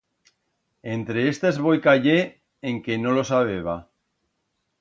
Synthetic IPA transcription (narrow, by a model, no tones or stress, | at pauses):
ent̪ɾeest̪ezβojkaʎe | eŋkenolosaβeβ̞a